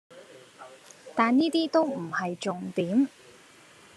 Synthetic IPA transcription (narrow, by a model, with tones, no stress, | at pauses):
t̪aː˨nniː˥t̪iː˥t̪o˥wm̩˨˩hɐ˨jt͡sʊ˨ŋt̪iː˨˥m